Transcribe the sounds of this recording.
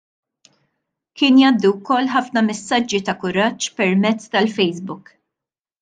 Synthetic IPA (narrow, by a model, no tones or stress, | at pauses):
kɪːnjɐːd̪ːuwkɔlːħɐfnɐmɛsːɐd͡ʒːit̪ɐkʊɾɐt͡ʃːpɛɾmɛt͡sːt̪ɐlfɛjzbʊk